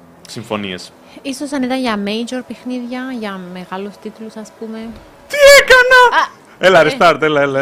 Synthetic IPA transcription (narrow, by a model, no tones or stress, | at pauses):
siɱfo̞niḛs | isosɐnit̪ɐnʝɐmeid͡ʒoɾpexniðʝɐʝɐme̞ɣɐlust̪it̪ulusɐspume̞ | t̪iekɐnɐ | elɐɾist̪ɐɾt̪elɐelɐ